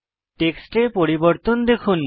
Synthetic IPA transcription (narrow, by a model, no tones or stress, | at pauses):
ʈeksʈepoɾiboɾt̪ond̪ekʰun